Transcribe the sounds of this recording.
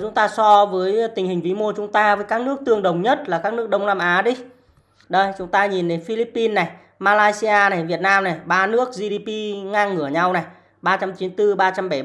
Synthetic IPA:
t͡ɕʊ˨˦ŋ͡mt̪aː˧sɔ˧vəː˨˦jt̪ï˨˩ŋ̟hi˨˩ŋ̟vi˨˦mo˧t͡ɕʊ˨˦ŋ͡mt̪aː˧vəː˨˦jkaː˦˥k̚nɨ˦˥ək̚t̪ɨ˧əŋɗə˨˩wŋ͡mɲə˦˥t̚laː˨˩kaː˦˥k̚nɨ˦˥ək̚ɗə˧wŋ͡mnaː˧mʔaː˨˦ɗi˧ | ɗə˧jt͡ɕʊ˨˦ŋ͡mt̪aː˧ɲi˨˩nɗe˨˦nfi˧li˦˥pːi˧nːa˨˩j | maː˧laː˧jsi˧ʔaː˧na˨˩jvi˨˩ət̚naː˧mna˨˩jɓaː˧nɨ˦˥ək̚zi˧ɗi˧pi˧ŋaː˧ŋŋɨ˧˩əɲa˧wna˨˩j | ɓaː˧t͡ɕa˧mt͡ɕi˨˦nt̪ɨ˧ɓaː˧t͡ɕa˧mɓa˧˩

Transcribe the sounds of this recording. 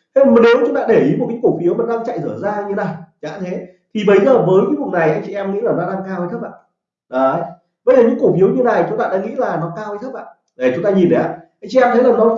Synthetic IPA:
t̪ʰe˧˨˩m˨˩ne˨˦wt͡ɕʊ˨˦ŋ͡mt̪a̰ː˧˥ɗe˧˩ʔi˨˦mo˨˩t̚ka˨˦ku˧˩fi˨˦wma˨˩ɗaː˧ŋt͡ɕa̰˧˨jzɨː˧˩əzaː˧ɲɨ˧˦na˨˩jt͡ɕa̰ː˧˥t̪ʰe˨˦ | t̪ʰi˨˩ɓə˨˦jzəː˨˩vəː˨˦jkɨː˧˦vu˨˩na˨˩jʔa˧jŋ̟t͡ɕi˧˨ɛ˧mŋḭ˧˥laː˨˩nɔ˨˦ɗaː˧ŋkaː˧wt̪ʰə˦˥k̚ʔa̰ː˧˨ | ɗɔ˨˦ | ɓə˧jzəː˨˩ɲɨ̰˧˥kwfi˨˦əwɲɨ˧na˨˩t͡ɕʊ˨˦ŋ͡mt̪a̰ː˧ɗa̰ː˧˥ŋḭ˧˥laː˨˩nɔ˨˦kaː˧wjt̪̚ʰʔa̰ː˧˨ | ɗe˨˩t͡ɕʊ˨˦ŋ͡mt̪aː˧ɲi˨˩nɗə˨˦a̰ː˧˨ʔa˧jŋt͡ɕḭ˧ʔɛ˧mt̪ʰə˨˦laː˨˩nɔ˨˦

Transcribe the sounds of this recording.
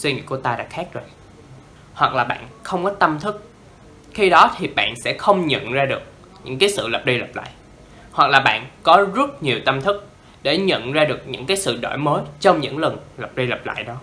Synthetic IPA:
swi˧ŋḭ˧˨ku˧˩ət̪aː˧ɗa̰ː˧˥xaː˦˥k̚zo˨˩j | hwa˨˩k̚laː˨˩ɓa̰ː˧˨nxə˧wŋ͡mkɔ˨˦t̪ə˧mt̪ʰɨ˦˥k̚ | xi˧ɗɔ˨˦t̪ʰi˨˩ɓa̰ː˧˨nsɛ̰˧˥xə˧wŋ͡mɲə̰˧˨nzaː˧ɗɨ˨˩ək̚ | ɲɨ̰˧˥ŋkaː˨˦jsɨ̰˧˨lə˨˩p̚ɗə˧jlə˨˩p̚la̰ː˧˨j | hwa˨˩k̚laː˨˩ɓa̰ː˧˨nkɔ˨˦zə˦˥t̚ɲi˨˩əwt̪ə˧mt̪ʰɨ˦˥k̚ | ɗe˧˩ɲə̰˧˨nzaː˧ɗɨ˨˩ək̚ɲɨ̰˧˥ŋkaː˨˦jsɨ̰˧˨ɗo̰˧˩jməː˨˦jt͡ɕɔ˧wŋ͡mɲɨ̰˧˥ŋlə˨˩ŋlə˨˩p̚ɗə˧jlə˨˩p̚la̰ː˧˨jɗɔ˨˦

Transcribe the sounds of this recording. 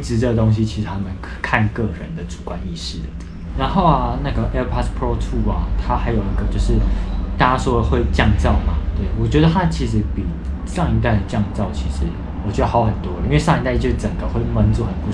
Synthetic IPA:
ʈ͡ʂɻ̩˧˩ʈ͡ʂə˥˩ɡə˩t̪o˥ŋɕ̬i˦t͡ɕʰi˧˥ʂ̩˧t̪ʰa˥mə˨nʰkʰa˥˨nkɤ˥˩ɻə˧˦nd̪ə˨t͡su̥˨˩kwa˦ni˥˩ʂɻ̩˥˩d̪ə˩ | ɻa˧˥nxo˥˩ʊa˨˩na˥˩ɡə˩ʔɛ˥pʰa˥t̪pʰɹo˥t̪ʰu˥˩ɐ˨t̪ʰa˥xa˧˥ɪjo˨˩ʊi˧˥ɡə˨t͡ɕjo˥˧ʊʂɻ̩˥˩t̪a˥˩t͡ɕa˥ʂwɔ˥ə˨xwe˥˧ɪt͡ɕjɑ˥˧ŋt͡sɑ˥˨˩ʊma˩t̪we˥˩ɪwɔ˨˩t͡ɕɥɛ˧˥d̪ə˧t̪ʰa˥t͡ɕʰi˧˥ʂ̬ɻ̩˧˥pi˨˩ | ʂɑ˥˧ŋi˧˥t̪a˥˩ɪd̪ə˩t͡ɕjɑ˥˧ŋt͡sɑ˥˨˩ʊt͡ɕʰi˧˥ʂɻ̩˧˥ | wɔ˨˩t͡ɕɥɛ˧˦˥d̪ə˧˩ɑ˧˥ʊxə˨˩nt̪wɔ˥˦˧i˥nwe˥˧ʂɑ˥˧ŋi˧˥t̪a˥˧ɪt͡ɕjo˥˧ʂ̩˧˩ʈ͡ʂə˨˩ŋɡə˦xwe˥˩ɪmə˧˥nt͡su˨˧˥xə˨npu˧

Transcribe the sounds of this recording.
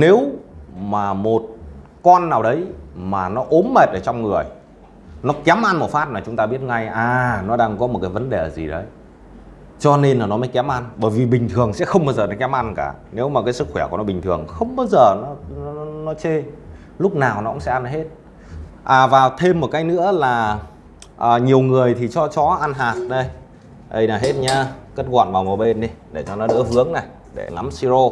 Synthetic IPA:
ne˨˦wmaː˨˩mo˨˩t̚kɔ˧nːaː˨˩wɗə˨˦jmaː˨˩nɔ˨˦ʔo˨˦nme˨˩t̚ʔəː˧˩t͡ɕɔ˧wŋ͡mŋɨ˨˩əj | nɔ˨˦kɛ˨˦mʔa˧nmo˨˩t̚faː˦˥t̚maː˨˩t͡ɕʊ˨˦ŋ͡mt̪aː˧ɓi˦˥ət̚ŋa˧jʔaː˨˩nɔ˨˦ɗaː˧ŋkɔ˨˦mo˨˩t̚kaː˨˦jvə˨˦nɗe˨˩˨zḭ˨˩ɗə˨˦j | t͡ɕɔ˧ne˧nlaː˨˩nɔ˨˦mə˨˦jkɛ˨˦mʔa˧nɓəː˧˩jvi˨˩ɓï˨˩ŋ̟t̪ʰɨ˨˩əŋsɛ̰˧˥xə˧wŋ͡mɓaː˧zəː˨˩ɗə˨˦kɛ˨˦mʔa˧nkaː˧˩ne˨˦wmaː˨˩kaː˨˦jsɨ˦˥kxwɛ˧˩ku˧˩nɔ˨˦ɓï˨˩ŋt̪ʰɨ˨˩əŋxə˧wŋ͡mɓaː˧wzəː˨˩nɔ˨˦n˨˦˨nɔ˨˦t͡ɕe˧ | lʊ˦˥k͡p̚naː˨˩wnɔ˨˦kʊ̰˧˥ŋ͡msɛ̰˧˥ʔa˧n˨˩ɦe˦˥t̚ | ʔaː˨˩vaː˨˩wt̪ʰe˧mːo˨˩kaː˨˦jnɨ̰˧˥əlaː˨˩ | ʔəː˨˩ɲi˨˩əwŋɨ˨˩əjt̪ʰi˨˩t͡ɕɔ˧t͡ɕɔ˨˦ʔa˧nɦaː˨˩t̚ɗə˧j | ʔə̰˧jna˨˩ɦe˦˥t̚ɲaː˧ke˦˥t̚ɣwa̰ː˧˨nvaː˨˩mo˨˩ɓe˧nɗi˧ɗe˧˩t͡ɕɔ˧nɔ˨˦nɨ̰˧˥əɦɨ˨˦əŋna˨˩j | ɗe˧˩ŋa˨˦msi˧zo˧

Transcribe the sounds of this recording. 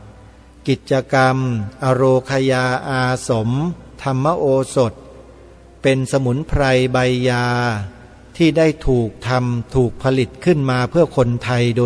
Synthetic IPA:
ki˨˩t̪̚t͡ɕa˧ka˧mʔa˧ɾoː˧kʰa˧jaː˧ʔaː˧so˩˦mt̪ʰa˧mːa˥˩ʔoː˧so˨˩t̪̚ | pe˧nsa˧mu˩˦npʰɾa˧jba˧jːaː˧ | t̪ʰiː˥˩daː˥˩jt̪ʰuː˨˩k̚t̪ʰa˧mt̪ʰuː˨˩k̚pʰa˧li˨˩t̪̚kʰɯ˥˩nmaː˧pʰɯ˥˩ɐkʰo˧nt̪ʰa˧jdoː˧

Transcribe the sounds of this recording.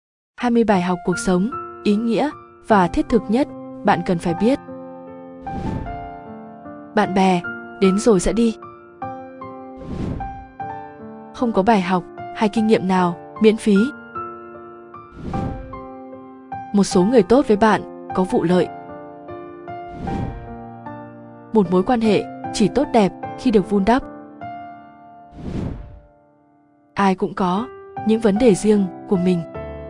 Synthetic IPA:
haː˧jmɨ˧əjɓaː˧˩jɦa˨˩wk͡p̚ku˨˩ək̚sə˨˦wŋ͡mʔi˨˦ŋḭ˧˥ə | v̥aː˨˩t̪ʰi˦˥ət̚t̪ʰɨ˨˩k̚ɲə˦˥t̚ɓa̰ː˧˨nkə˨˩nfaː˧˩jɓi˦˥ət̚ | ɓa̰ː˧˨nɓɛ˨˩ɗe˨˦nzo˨˩jsɛ̰˧˥ɗi˧ | xə˧wŋ͡mkɔ˨˦ɓaː˧˩jɦa˨˩wk͡p̚haː˧jkï˧ŋ̟ŋḭ˧˨əmnaː˨˩w | mḭ˧˥ənfi˨˦ | mo˨˩t̚so˨˦ŋɨ˨˩əjt̪o˦˥t̚və˨˦jɓa̰ː˧˨n | kɔ˨˦vṵ˧˨lə̰ː˧˨j | mo˨˩t̚mo˨˦jkwaː˧nɦḛ˧˨t͡ɕi˧˩t̪o˦˥t̚ɗɛ˨˩p̚xi˧ɗɨ˨˩ək̚vu˧nɗə˦˥p̚ | ʔaː˧jkʊ̰˧˥ŋ͡mkɔ˨˦ɲɨ̰˧˥ŋvə˨˦nɗe˨˩zi˧əŋku˧˩əmï˨˩ŋ̟

